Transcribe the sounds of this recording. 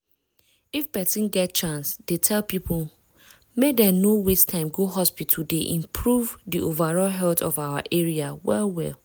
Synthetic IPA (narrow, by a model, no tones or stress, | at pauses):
ifbɛtĩnɡɛt̚t͡ʃãnsdetʰɛlpipʰl | medɛ̃nowestʰãɪ̃mɡoɦɔspit̩ʰdeʔĩmpʰɹuvdiʔovaɹɔlɦɛltɔvawa̰ʔeɹiawɛlwɛ̰l